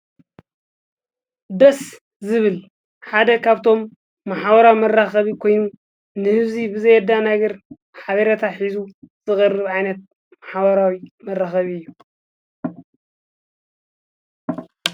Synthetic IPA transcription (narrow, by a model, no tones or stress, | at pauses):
d̪ɐs | zɨβɨl | ħad̪ɐkʰaβt̪ʰo̞mː | aħabɐɾawmɐrːaxɐβikʰo̞jnu | nɨhɨβzibɨzɐjɛd̪ːanɐɡɐɾ | ħaβɐɾɐt̪ʰaħizuz̥ɨxʼɨrːɨβʕajnɐt̪̚ | maħβɐɾawimɐrːaxɐβiɨjːu